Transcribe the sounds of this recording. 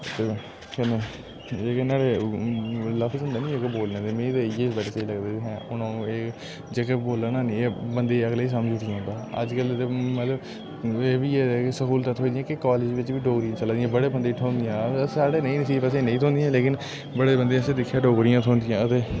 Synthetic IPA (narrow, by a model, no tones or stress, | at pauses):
t̪eː | kɛneː | eːkenaːɽeː | ləpʰsənd̪eːnĩːeːkeboːlnẽːt̪eːmẽːt̪oːɪjeːsbɛʈeseiləɡd̪eːt̪eːɦɛ̃ːʊnãːeː | d͡ʒeːkeboːlanãːnĩeːbənd̪eːəɡleːiːs̬əmd͡ʒʊʈiãːnd̪aːə̰d͡ʒkəlet̪eːmət̪ləb | eːʋiːeːksəkuːlt̪at̪ʰɦoːiːd̪ɪjãːkɪkaːled͡ʒʋɪt͡ʃʋiːɖoːɡɾijãːt͡ʃəlãːd̪ijãːbəɽeːbənd̪eːʈʰoːnd̪ɪjãːsaːɽeːnə̃ĩːnəsiːbəsẽːnə̃ĩːt̪ʰõːnd̪jãːleːkɪn | bəɽeːbənd̪ẽːəseːd̪ɪkʰːjaːɖoːɡɾɪjãːt̪ʰoːnd̪ɪjãːət̪eː